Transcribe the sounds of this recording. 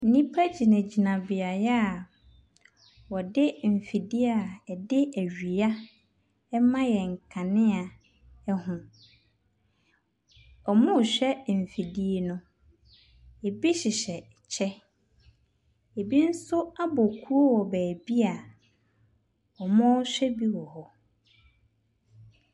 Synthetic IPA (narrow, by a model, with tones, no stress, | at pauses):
n̩˦nĩ˦pʰa˦d͡ʑi˨nã˨d͡ʑi˨nã˨bɪ˨a˨jɛ˦a˨ | wɔ˨dɪ˦m̩˨fi˨di˦a˨ɛ˨dɪ˦æ˨ɥi˨a˦ | mã˦jɛ˨ŋ̩˨kʰã˨nɪ̃˦a˨ | ɛ˦hʊ̃˨ | ɔ˨mʊ̃˦˨ɕᶣɛ˦m̩˨fi˨di˦e˦nʊ̃˦ | e˨bi˦ɕɪ˨ɕɛ˨ | t͡ɕʰɛ˦ | e˨bi˦n̩˦sʊ˦a˦bɔ˨kʰu˦o˦wɔ˨bæː˨bi˦a˨ | ɔ˨mɔ̃˦ɕᶣɛ˦bi˦wɔ˨hɔ˦